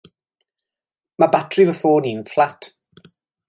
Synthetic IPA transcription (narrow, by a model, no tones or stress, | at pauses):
mabatʰrivəfoːniːnflˠatʰ